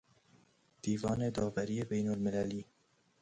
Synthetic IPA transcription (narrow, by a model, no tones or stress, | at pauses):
d̪̥iːvɒːned̪ɒːvæɾiːebejnolmɪlæliː